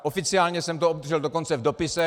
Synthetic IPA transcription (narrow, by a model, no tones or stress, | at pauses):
ʔofɪt͡sɪaːlɲɛsɛmt̪oob̚d̪rʒɛldoko̞nt͡sɛvdopɪsɛ